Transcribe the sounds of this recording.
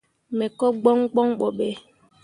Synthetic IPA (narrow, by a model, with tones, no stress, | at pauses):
me˨kɔ˦ɡ͡bɔ˦ŋ˦ɡ͡bɔ˦ŋ˦k͡pɔ˨ɓe˦